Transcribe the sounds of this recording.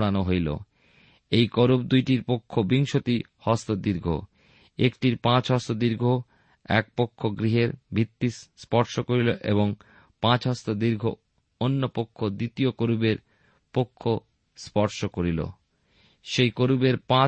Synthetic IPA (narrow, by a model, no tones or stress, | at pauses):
ɽanoɦojlo̰ | ejkoɾub̚d̪ujʈiɾpokʰːobiŋʃot̪i | hɔst̪od̪iɾɡʱo̰ | ekʈiɾpãt͡ɕɦɔst̪od̪iɾɡʱo | ɛk̚pokʰːoɡɾiɦeɾbʱit̪ːisspɔɾʃokoɾiloʔḛβoŋ | pãt͡ɕɦɔst̪od̪iɾɡʱo̰ | onːopokʰːod̪it̪iokoɾubeɾ | pokʰːo | spɔɾʃokoɾilo̰ | ʃejkoɾubeɾpã